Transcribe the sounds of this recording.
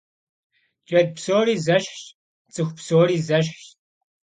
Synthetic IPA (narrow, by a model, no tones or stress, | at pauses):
d͡ʒʼɐd̪̚psoːɾiːzɐɕt | t͡sʼɨxʷpsoːɾiːzɐɕ̬